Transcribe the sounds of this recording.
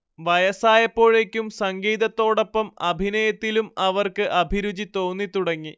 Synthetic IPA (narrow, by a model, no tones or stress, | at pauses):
ʋɐjɐsaːjɐpːo̞ːɻe̞ːkʲːumsɐŋɡiːðɐt̪ːo̞ːɽo̞pːɐmɐbʱinɐjɐt̪ːilumɐʋɐrkɨʔɐbʱiɾud͡ʑit̪o̞ːnːit̪uɽɐŋːi